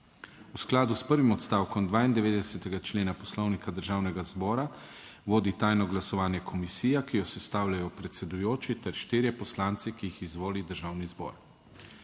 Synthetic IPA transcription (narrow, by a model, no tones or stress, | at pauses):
usklaːd̪uspəɾʋimɔt̪st̪aːwkɔmd̪ʋaːind̪ɛʋeːd̪ɛsɛt̪ɛɡat͡ʃleːnapɔslɔwnikad̪əɾʒaːwnɛɡazbɔːɾa | ʋoːd̪it̪aːjnɔɡlasɔʋaːnjɛkʰɔmisiːjakijɔsɛst̪aːwlʲjajɔpɾɛt̪sɛd̪ujoːt͡ʃit̪ɛɾʃt̪iːɾjɛpɔslaːnt̪sɛkijixizʋoːlid̪əɾʒaːwnizbɔ̰ːɾ